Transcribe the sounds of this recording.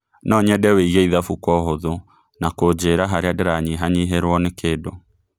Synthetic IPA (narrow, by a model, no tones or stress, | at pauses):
nɔɲɛdɛweiɣɛiðafukwɔɦoðo | nakod͡ʑeɾaɦaɾeadeɾaɲiɦaɲiɦeɾwɔnekeːdo